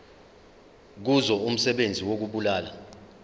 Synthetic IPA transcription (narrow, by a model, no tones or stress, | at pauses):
k̬uzɔum̩sɛɓend͡zʱiwok̬uɓulaːla